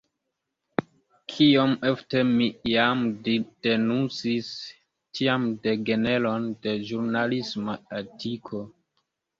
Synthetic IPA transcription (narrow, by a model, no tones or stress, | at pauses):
kʰiomeftemijamd̥e̞nunt͡sis | tiamde̞ɡene̞lo̞nde̞ʒuɾnalismaetʰikʰo̞